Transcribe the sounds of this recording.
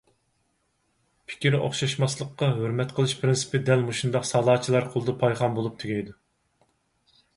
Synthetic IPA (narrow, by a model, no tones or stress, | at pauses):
pʰɪ̥kʲiɾo̰χʃɑʃmɑslˠəqːɑɦøɾmɛt̪qʰəlˠɨʃpʰɾɪnsɪ̥pɪd̪ɛlmuʃund̪ɑqsɑlˠɑːt͡ʃʰilˠɑɾqʰolˠd̪ɨpʰɑjʁɑmbolˠup̚t̪ʰyɡʲɛjd̪u